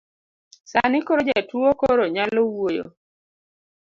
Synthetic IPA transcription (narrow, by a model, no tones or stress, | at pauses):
sanɪkoɾod͡ʒɛtwokoɾoɲalowojo̰